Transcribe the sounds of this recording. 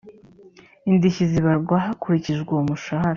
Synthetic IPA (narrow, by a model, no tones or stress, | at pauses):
indiçiziβaɾɡwaɦakoɾiciʒɡwoumuʃahaɾa